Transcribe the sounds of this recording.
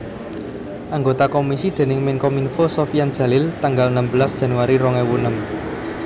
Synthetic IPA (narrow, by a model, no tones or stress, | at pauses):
ʔaŋɡot̪akomisid̪̥e̤nɪŋmɪŋkɔminfosofijandʒ̥ä̤lɪlt̪aŋɡalnəmbəlasd̥ʒ̥ä̤nuwaɾiɾɔŋɛwunəm